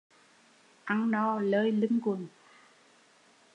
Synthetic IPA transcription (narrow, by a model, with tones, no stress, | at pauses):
ʔa˧ŋnɔ˧ləː˧jli˧ŋkʊ˨˩n